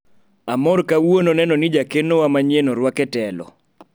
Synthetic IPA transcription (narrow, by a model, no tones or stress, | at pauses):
amɔrkawononɛnɔnid͡ʒakenowamaɲenɔɾwakɛtɛlɔ̰